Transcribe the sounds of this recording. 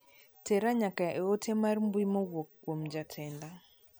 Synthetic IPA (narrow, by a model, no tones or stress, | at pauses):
tɛɾaɲakaʔɛotʰɛmarmbwimowokːwomd͡ʒatʰɛnda